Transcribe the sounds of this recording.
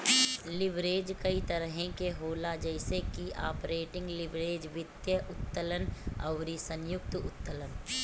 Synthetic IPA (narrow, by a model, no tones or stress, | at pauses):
lɪʋɾeːd͡ʒkɐit̪əɾəɦẽkeɦoːlad͡ʒɛɪsekiaːpɾeːʈɪ̃ŋɡlɪʋɾeːd͡ʒʋɪd̪jəʔʊt̪ːələnɐʊɾisə̃njʊk̚t̪ʊ̰t̪ːələn